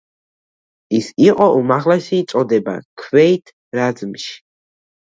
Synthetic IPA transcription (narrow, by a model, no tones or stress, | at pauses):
isiqʼɔʔumaʁlɛsiːt̪sʼɔd̪ɛba̰kʰvɛit̪ʰ | ɾad̪zmʃi̥